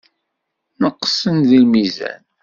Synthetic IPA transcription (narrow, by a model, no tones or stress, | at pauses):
nəqːsənðilmizæ̰n